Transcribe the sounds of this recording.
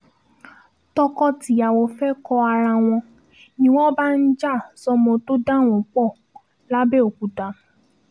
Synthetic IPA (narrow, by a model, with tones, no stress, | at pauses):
tɔ˧kɔ˦ti˨˦a˨wɔ˨fɛ˦kɔ˧a˧ɾa˧w̃ɔ̃˧ | nĩ˦w̃ɔ̃˦ba˦n̩˦d͡ʒa˦˨sɔ˧mɔ̃˧to˦da˦˨w̃ɔ̃˨k͡pɔ˦˨ | la˦bɛ˦o˨ku˨ta˨˦